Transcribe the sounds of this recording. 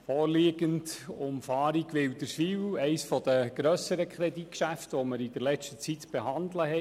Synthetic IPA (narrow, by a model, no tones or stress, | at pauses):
fɔːɾliːɡəndʊmfɑːɾiɡʋɪwd̥əɾʃiːwɛɪsfɔd̥̪əɡ̥ɾœsəɾəkʰχɾɛdit̚kʃæftʋɔməɾid̥əɾlɛt͡ʃtət͡sitb̥eɦɑnd̪ləhɛ